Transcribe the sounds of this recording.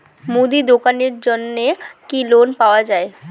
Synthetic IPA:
mud̪id̪okaːneɾd͡ʒɔnːekiloːnpaːwad͡ʒaːe

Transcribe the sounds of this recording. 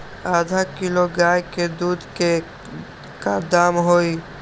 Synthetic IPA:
aːd̪ʱakɪloɡaːjked̪uːd̪ke | kad̪aːmɦoːiː

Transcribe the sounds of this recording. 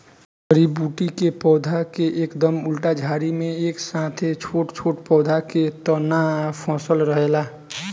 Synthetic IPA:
bəɾibuːʈikepɔːd̪ʱakeʔeːkd̪əmʊlʈad͡ʒʱaːɾimẽeːksãːt̪ʰet͡ʃʰoːʈt͡ʃʰoːʈpɔːd̪ʱaket̪ɔnapʰɔ̃ːsəlɾəɦelaː

